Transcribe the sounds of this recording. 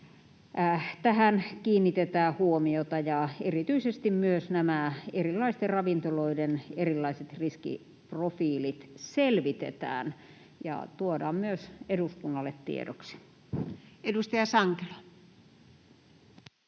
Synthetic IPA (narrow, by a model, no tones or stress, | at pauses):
t̪æhænkiːnːit̪et̪æːhuomiot̪ɑjɑerit̪yisest̪immyøsnæmæerilːˑɑist̪errɑʋint̪oloidenerilːɑiset̪riskḭ | profiːlit̪selʋit̪ḛt̪æ̰ːn | jɑ̰t̪uodɑ̰ːmmyøseduskunːɑlːet̪t̪ḭḛdo̰ksi̥ | edust̪ɑjɑsɑŋkelɑ